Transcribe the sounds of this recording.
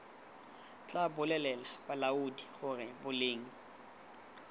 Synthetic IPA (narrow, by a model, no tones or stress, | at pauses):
t͡ɬʼabʊlɛlɛlab̥alaudiχʊrɪbʊleːŋ̩